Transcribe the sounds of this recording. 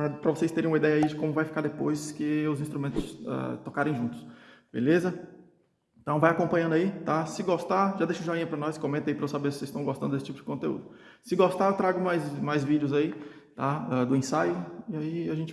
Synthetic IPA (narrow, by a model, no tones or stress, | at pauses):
ɾɐpɾɐvosejst̪eɾẽũmɐid̪ɛjɐaid͡ʒɪkõmʊvajfi̥kaɾd̪epojskɪʊzĩst̪ɾumẽt̪ʊ̥sa̰t̪ɔkaɾẽj̃ʒũt̪ʊ̥sbḛlezɐ̃ | t̪ɐ̃w̃vajakõmpɐ̃ɲɐ̃nd̪ait̪asɪɡost̪aʒad̪eʃʊũʒaĩɲɐpɾɐnɔskõmẽnt̪aipɾɐvosabeɾsɪ̥sezst̪ɐ̃w̃ɡost̪ɐ̃d̪d̪esɪt͡ʃipʊd͡ʒɪ̥kõt̪eṵd̪ʊ | sɪɡost̪aewt̪ɾaɡʊmajsmajzvid͡ʒɪʊzai | t̪aad̪ʊĩsajʊɪaiaʒẽnt͡ʃɪ